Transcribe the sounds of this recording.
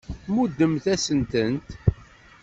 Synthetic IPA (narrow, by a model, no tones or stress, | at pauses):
mud̪ːəmθæsənt̪ənt̪